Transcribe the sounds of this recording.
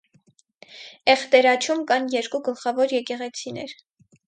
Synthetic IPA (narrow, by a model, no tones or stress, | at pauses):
ɛχt̪ɛɾɑt͡ʃʰumkɑnjɛɾkuɡəlχɑvɔɾjɛkɛʁɛt͡sʰinɛɾ